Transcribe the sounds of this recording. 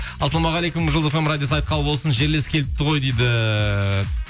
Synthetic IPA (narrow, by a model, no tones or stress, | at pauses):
ɑsɑlˠɑmɑʁɑlˠejkʊmuʒozefemɾad̪ʲjos̬ɑjt̪̚qʰɑlˠbo̞lˠsənʒe̞ɾleskʲʰelɪp̚t̪ːəʁo̞jd̪ejd̪ɪ